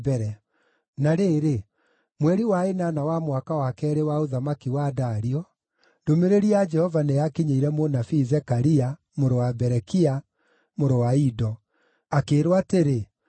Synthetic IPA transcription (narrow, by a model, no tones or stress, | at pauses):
bɛɾɛ | naɾeːɾe | mwɛɾiwaenanawamwakawakɛːɾewaoðamakiwadaɾiɔ | domeɾeɾiad͡ʒɛhɔvanejakiɲeiɾɛmonafiːzɛkaɾia | moɾowabɛɾɛkia | moɾowaidɔ | akeːɾwateɾe